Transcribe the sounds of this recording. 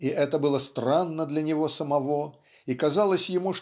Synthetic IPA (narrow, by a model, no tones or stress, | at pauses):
iʔɛt̪əbɨlˠəst̪ɾanːəd̪lʲɐnʲɪvo̞səmɐvo̞ | ikɐzalˠəsʲjɪmuʂ